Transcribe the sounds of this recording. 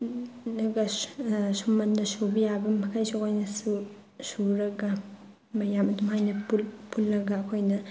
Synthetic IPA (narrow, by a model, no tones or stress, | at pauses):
nɐɡasumɐndɐsubijabɐmɐkʰajsukʰojnɐsu | suɾɐɡa | mɐjamɐdumajnɐpulpʰulːɐɡakʰojnɐ